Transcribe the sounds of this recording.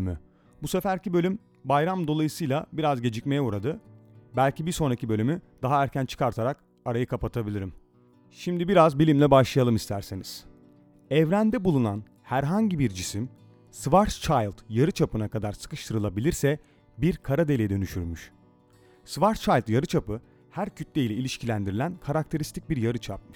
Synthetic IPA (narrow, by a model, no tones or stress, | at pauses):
my | busefæɾcʰibø̞lʲym | bajɾamd̪o̞lˠajɯsɯjlˠabiɾazɟe̞d͡ʒicme̞jɛuɾad̪ɯbælʲcibiɾso̞nɾacibø̞lʲymyd̪aɦaæɾcʰænt͡ʃʰɯ̥kʰaɾt̪ʰaɾak | aɾajɯkʰapat̪ʰabilʲiɾim | ʃimd̪ibiɾazbilʲimlʲɛbaʃlˠajalˠɯmist̪ʰæɾseniz̥ | ɛvɾænd̪ɛbulˠunan | hæɾɦaɲɟibiɾd͡ʒisim | svaɾt͡ʃʰajlˠt̪jaɾɯt͡ʃʰapɯnakad̪aɾsɯ̥kɯʃt̪ʰɯɾɯlˠabilʲiɾsɛ | biɾkʰaɾad̪e̞lʲed̪ø̞nyʃyɾmyʃ | svaɾt͡ʃʰajlˠt̪jaɾɯt͡ʃʰapɯ | hæɾcʰyt̪lʲɛilʲɛilʲiʃcʰilʲænd̪iɾilʲænkʰaɾakt̪ʰe̞ɾist̪ʰic̚biɾjaɾɯt͡ʃʰap̚mɯʃ